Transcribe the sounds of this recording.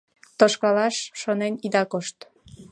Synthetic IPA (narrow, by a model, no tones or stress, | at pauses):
t̪oʃkɑlɑʃːonenid̪ɑkoʃt̪